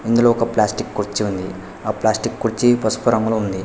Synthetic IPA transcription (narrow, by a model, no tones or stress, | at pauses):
ind̪uloːɔkɐplaːsʈikːuɾt͡ʃːiund̪i | aːplaːsʈikkuɾt͡ʃːipɐsu̥pɐɾɐŋɡloːund̪i